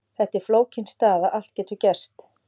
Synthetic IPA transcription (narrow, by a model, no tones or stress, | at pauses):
θɛht̪ɪɾ̥floːwcɪnst̪aːðaʔal̥t̪̚cɛːt̪ʏɾcɛr̥st̪